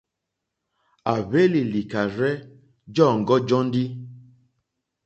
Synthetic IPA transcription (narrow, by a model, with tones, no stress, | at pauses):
a˨βe˦li˨li˨ka˨ɾɛ˦ | d͡ʒɔ˦˨ŋ˨ɡɔ˦d͡ʒɔ˦n˦di˦